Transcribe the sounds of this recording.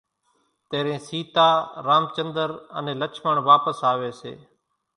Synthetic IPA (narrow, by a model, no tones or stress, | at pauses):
t̪eːɾẽːsiːt̪aːɾaːmt͡ʃənd̪əɾə̰nẽːlət͡ʃʰməɳʋaːpəsaːʋeːsḛː